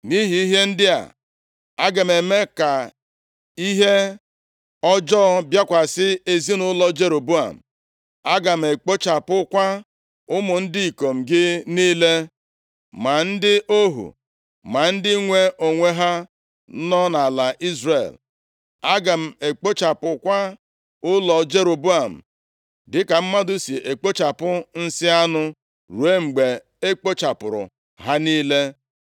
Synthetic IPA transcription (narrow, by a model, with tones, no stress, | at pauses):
ni˦ɦi˨i˦ɦe˦n̩˦dɪ˦a̰˨ | a˦ɡe˨m̩˨e˨me˦ka˨ | i˦ɦe˦ | ɔ˦d͡ʒɔ˦bja˦kʷa˨sɪ˦e˦zi˦nʊ˦lɔ˦d͡ʒe˨ɾo˨bu˦a̰˨m̩˨ | a˦ɡa˨m̩˨e˨k͡po˦t͡ʃa˨pʊ˦kʷa˦ | ʊ˦mʊ˨n̩˦dɪ˦i˨ko˨m̩˨ɡɪ˦niː˦le˦ | ma˨n̩˦dɪ˦o˦ɦṵ˨ | ma˨n̩˦dɪ˦ŋʷe˦o˨ŋʷe˦ɦa˦ | nɔ˦na˨la˨ʔi˦zre˨l | a˦ɡa˨m̩˨e˨k͡po˦t͡ʃa˨pʊ˨kʷa˦ | ʊ˦lɔ˨d͡ʒe˦ɾo˨bu˦a˨m̩̰˨ | dɪ˦ka˨m̩˦ma˦dʊ˦si˨ʔe˨k͡po˦t͡ʃa˨pʊ˦n̩˦sɪ˦a˦nʊ˦ | ɾu˨e˦ŋ͡m̩˨ɡ͡be˨ | e˦k͡po˦t͡ʃa˨pʊ˨ɾʊ̰˨ | ɦa˦niː˦le˦